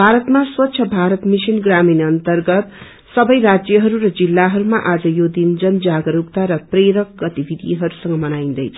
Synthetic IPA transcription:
bʱaɾʌt̪maswʌt̪ːsʰʌbʱaɾʌt̪misinɡraminʌnt̪ʌrɡʌt̪ | sʌbʌjɾad͡zjʌɦʌɾuɾʌd͡zilːaɦʌɾumaʔad͡zʌjod̪ind͡zʌnd͡zaɡʌɾukt̪aɾʌpreɾʌk̚ɡʌt̪ibʱid̪ʱḭɦʌɾusʌŋɡʌmʌnaj̃nd̪ʌjt͡sʰʌ̥

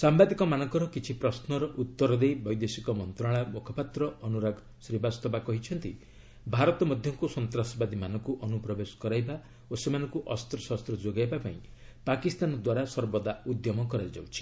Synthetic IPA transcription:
sambad̪ikɔmanɔ̃ŋkɔɾɔkit͡ʃʰipɾɔsnɔɾɔʔut̪ːɔɾɔd̪ejbɔjd̪esikɔmɔnt̪ɾaɭ̃amɔkʰɔpat̪ɾɔɔnuɾaɡ | sɾibast̪ɔbakɔɦit͡ʃʰɔnt̪i | bʱaɾɔt̪ɔmɔd̪ʱjɔŋkusɔnt̪ɾasɔbad̪imanɔŋkuʔɔnupɾɔbesɔ̥kɔɾajba | osemanɔŋkuʔɔst̪ɾɔsast̪ɾɔd͡ʒoɡajbapaĩpakist̪anɔd̪waɾasɔɾbɔd̪aud̪jɔmɔkɔɾajd͡ʒa̰wt͡ʃʰi̥

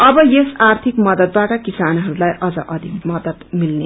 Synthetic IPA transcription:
ʌbʌjesart̪ʰikmʌd̪ʌd̪̚baʈʌkisanɦʌɾulajʔʌd͡zʌʔʌd̪ʱikmʌd̪ʌd̪milne

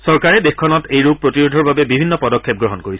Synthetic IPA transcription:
sɔɹkaɹɛdexkʰɔnɔtejɹub̚pɹotiɹudʱɔɹbabɛbibʱinːɔpɔdɔkʰːep̚ɡɹɔɦɔnkoɹisɛ

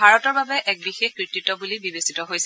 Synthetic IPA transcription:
bʱaɹɔtɔɹbabɛʔɛk̚bixexkɹititːɔbulibibesitɔɦojsɛ

